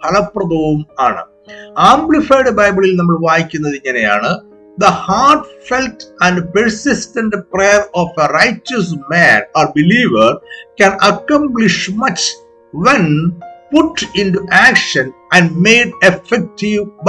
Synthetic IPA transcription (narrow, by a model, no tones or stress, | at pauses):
pʰɐlɐpːrɐd̪ɐʋumaːɳɨ̰ | aːmblifajɽɨbɐjbiɭilnɐmːɐɭʋaːɦikʲːunːɐðiŋːɐneja̰ːɳɨ | d̪ɐhaːʈfeltɐ̃nɖpeɾsistɐnɖprejɐroːfɐrɐjt͡ɕːɐs̬mæːnoːrbiliːʋɐrkɐnɐkːɐmbliʂmɐt͡ɕ | ʋenpuʈːinʈuʔæːkʂɐn | ɐ̃nɖmejɖefek̚ʈiʋb